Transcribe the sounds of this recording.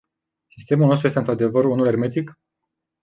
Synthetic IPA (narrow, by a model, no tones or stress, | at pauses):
sist̪e̞mulnost̪ɾuest̪ɨnt̪ɾad̪e̞vəɾunule̞rme̞t̪ik